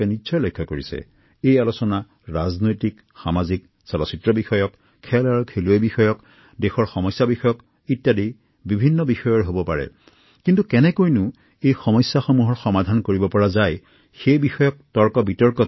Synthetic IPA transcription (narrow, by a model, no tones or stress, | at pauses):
ɛnisɔjlɔjkʰːɔkoɹisɛ̰ | ejalusɔna | ɹaznojtik | xamazik | salɔsitɹɔbixɔjɔkʰː | ɛlaɹkʰeluebixɔjɔk | dexɔɹxɔmɔjsːabixɔjɔk | itjadi | bibʱinːɔbixɔjɔɹɦobɔpaɹɛ̰ | kintukɛnɛkojnʊ | ejxɔmɔjsːaxomuɦɔɹxɔmadʱankoɹibɔpɔɹazaj | xejbixɔjɔk̚tɔɹkɔbitɔɹkɔ